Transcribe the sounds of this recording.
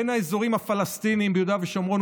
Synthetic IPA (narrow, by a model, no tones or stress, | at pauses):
enaezo̞ʁimhafalast̪iniːmbejod̪aveʃomʁon